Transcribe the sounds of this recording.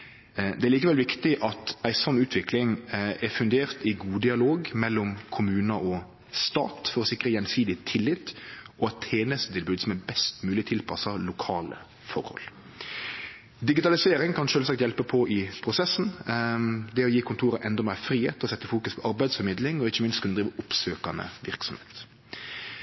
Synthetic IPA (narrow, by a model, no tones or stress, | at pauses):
d̪ɛæɾɭiːkəʋɛlʋɪkt̪ɪʔɑt̪æɪsɑmːʉːt̪ʰʋɪklɪŋæfʉnd̪eːɾt̪ɪɡuːd̪ɪɑloːɡmɛlːɔmkʰʊmʉːnɑʔɔ | st̪ɑ̰ːt̪fɔɾɔsɪkɾəjɛnsiːd̪ɪt̪ʰɪlːɪt̪ːɔɛt̪ʰːeːnəst̪ət̪ʰɪlbʉːd̪sɔmɛbɛst̪mʉːlɪt̪ʰɪlpʰɑsɑlʊkʰɑːlə̰ | fɔɾhɔ̰l | d̪ɪɡɪt̪ɑlɪseːɾɪŋkʰɑnʃøːlsɑk̚t̪jɛlpəpʰɔʔɪpʰɾʊsɛsn̩ | d̪ɛɔjiːkʰʊnt̪ʰuːɾəʔɛnd̪ɔmæːfɾiːhḛːt̪ɔsɛt̪ːəfuːkʉspʰɔʔɑɾbæɪd̪sfɔɾmɪd̪lɪŋɔɪçːəmɪnst̪kʉnd̪ɾiːʋəʊpsøːkɑnə̰ʋɪɾksɔmheːt̪